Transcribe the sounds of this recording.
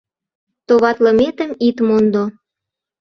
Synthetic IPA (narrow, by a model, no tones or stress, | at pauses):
t̪oβɑt̪lə̆met̪əmit̪mond̪o